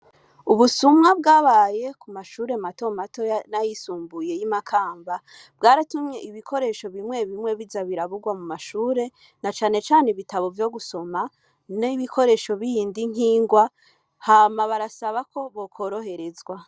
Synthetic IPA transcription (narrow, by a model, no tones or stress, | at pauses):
uβusumŋabɡaːβaːje̞kumaʃuːɾemato̞mato̞janajisuːmbuje̞jimakʰaːmba | bɡaːɾatumɲe̞ʔiβikʰo̞ɾe̞ʃo̞βimŋe̞βimŋe̞βizaβiɾaβuɡwamumaʃuːɾe̞ | nat͡ʃaːne̞t͡ʃaːne̞βitaβo̞vjo̞ɡuso̞ma | niiβikʰo̞ɾe̞ʃo̞βijiːndiŋ̥iːŋɡwa | haːmaβaɾasaβakʰo̞βo̞kʰo̞ɾo̞he̞ɾe̞zɡwa